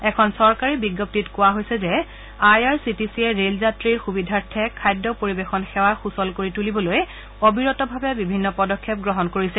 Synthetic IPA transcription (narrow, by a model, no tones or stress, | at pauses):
ɛkʰɔnsɔɹkaɹibiɡːɔp̚titkʊwaɦojsɛzɛ | ajaɹsitisiɛɹelzatɹiɹxubidʱaɹtʰːɛkʰajdːɔpoɹibexɔnxɛwaxusɔlkoɹitulibɔloj | obiɹɔtɔbʱabɛbibʱinːɔpɔdɔkʰːɛp̚ɡɹɔɦɔnkoɹisɛ